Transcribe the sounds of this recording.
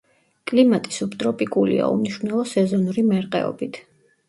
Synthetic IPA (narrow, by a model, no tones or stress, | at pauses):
kʼlimat̪ʼisupʰt̪ʼɾɔpʼikʼulḭa̰ṵmniʃvnɛlˠɔsɛzɔnuɾimɛɾqʼɛ̰ɔ̰bit̪ʰ